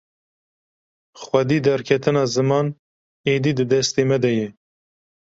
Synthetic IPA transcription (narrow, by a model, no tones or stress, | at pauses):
xwɛd̪iːd̪ɛɾkʰɛt̪ɨnɑːzɨmɑːn | eːd̪iːd̪ɨd̪ɛst̪eːmɛd̪ɛjɛ